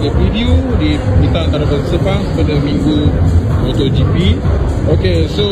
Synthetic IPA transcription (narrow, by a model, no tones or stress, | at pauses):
ɡəvidiodimit̪aʔnt̪aɾabansəpaŋpadamĩŋɡuot̪od͡ʒipi | okeso